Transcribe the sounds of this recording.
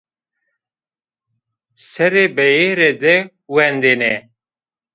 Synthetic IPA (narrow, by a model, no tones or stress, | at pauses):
sɛɾebɛjeɾed̪ɛ | wɛnd̪enɛ